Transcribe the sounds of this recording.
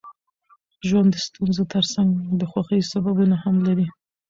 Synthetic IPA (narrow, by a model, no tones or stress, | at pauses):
ʒwand̪əst̪unzot̪əɾsaŋɡd̪əxwaxəjosababunahamlaɾi